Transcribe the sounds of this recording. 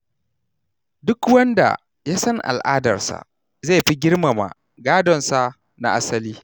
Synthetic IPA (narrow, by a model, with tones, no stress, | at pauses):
dʊ˦kwɐ˦nda̰˨ | ja˦sɐ˦ŋʔa̰˨lʔaː˦dɐ˨rsa̰˨ʔ | zeː˦˨ɸi˦ɡʲɪ˦rma˨ma̰˨ | ɡaː˦dɔ˨nsa˨ | na̰˨ʔa˦sɐ˦liː˦